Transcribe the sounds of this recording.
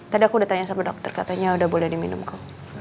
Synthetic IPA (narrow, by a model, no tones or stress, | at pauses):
t̪adiakudaht̪aɲasamadɔk̚t̪ərkat̪aɲaudahbolɛhdiminʊ̰mka